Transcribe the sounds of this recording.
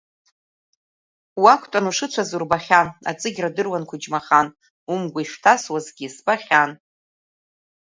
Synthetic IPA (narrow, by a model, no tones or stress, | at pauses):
wakʷʰtʼanuʂɨt͡ʃʷʰazurbaχʲana̰t͡sʼɨɡʲradɨrwankʷʰʊd͡ʒmaχan | umɡʷaiʂtʰaswazɡʲisbaχʲan